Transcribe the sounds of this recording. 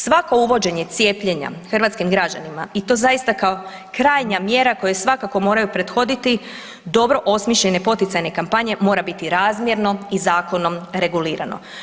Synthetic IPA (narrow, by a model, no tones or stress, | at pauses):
sʋako̞uʋo̞d͡ʑe̞ɲe̞t̪sje̞ːpʎe̞ɲa̰xr̩ʋat̪skimɡɾad͡ʑanimait̪o̞zajist̪akao̞ | kɾaːjɲamje̞ɾako̞jesʋakako̞mo̞ːɾajupɾe̞d̪xo̞d̪it̪i | d̪o̞bɾo̞ʔo̞smiʃʎe̞ne̞po̞t̪it̪ajne̞kampaɲe̞mo̞ːɾabit̪iɾaːzmje̞ɾno̞izaːko̞no̞mɾe̞ɡuliːɾa̰no̞̰